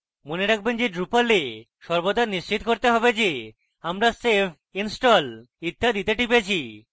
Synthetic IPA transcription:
moneɾak̚ʰbend͡ʑeɖɾupale | ʃɔɾbod̪ʱaniʃt͡ɕit̪koɾt̪eɦɔbed͡ʑe | amɾasepʰ | insʈɔl | it̪ːad̪it̪eʈipeet͡ɕʰi

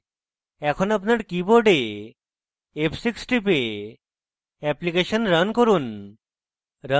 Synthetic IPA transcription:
ɛkʰɔnapnaɾkiboɖe | epʰsiksʈipe | ɛplikeʃənɾənkoɾun | ɾə

